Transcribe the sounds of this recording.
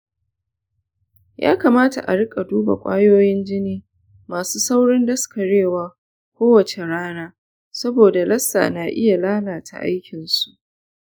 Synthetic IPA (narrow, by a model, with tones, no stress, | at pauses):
ja̰ː˦kaː˨maː˦ta̰˨ʔa̰˨ɽɪ˦kʼa˨duː˦ba̰˨kʷʼa̰ː˦joː˦jɪ˦nd͡ʒɪ˦niː˦ | maː˨suː˦sa˦wɽɪ˦ndɐ˦skɐ˨ɽeː˦˨waː˦ | kʷoː˦wɐ˨t͡ʃe˨ɽaː˦naː˦ | sɐ˦boː˨da˨lɐ˦sːa̰ː˨naː˨ʔɪ̰˦ja˨laː˦laː˨tʰa̰˨ʔa̰˦jkʲɪ˨nsu˨ʔ